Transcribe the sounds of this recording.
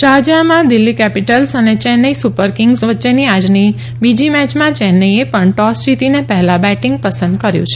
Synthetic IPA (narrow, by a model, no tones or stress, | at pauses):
ʃad͡ʒamãd̪ɪlːikɛpiʈəlsənet͡ʃɛnəisupəɾkɪŋɡsʋətːʃeniad͡ʒni | bid͡ʒimɛt͡ʃmãt͡ʃɛnəiepəɳʈɔst͡ʃit̪inepɛɦlãbɛʈɪ̃ŋɡ̚pəsə̃nd̪kəɾjṵ̃t͡ʃʰe̥